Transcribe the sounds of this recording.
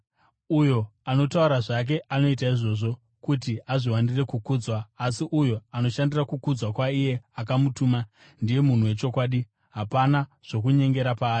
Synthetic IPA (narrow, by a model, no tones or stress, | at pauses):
ujo̞ano̞tauɾaʐak̬e̞ʔano̞itaiʐo̞ːʐo̞ | kut̬iaʐiwandire̞kukuːd͡zwaːsiʔujo̞ano̞ʃandirakukud͡zwakwaije̞akamutuːma | ndije̞mun̤uwe̞t͡ʃo̞kwaːɗi | ɦapanaʐ̥o̞k̬uɲe̞ŋɡe̞ɾapaːi